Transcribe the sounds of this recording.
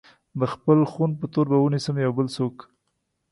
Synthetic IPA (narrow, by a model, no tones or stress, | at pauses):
d̪əxpəlxunp̬ət̪oɾbawənisəmjawbəlsok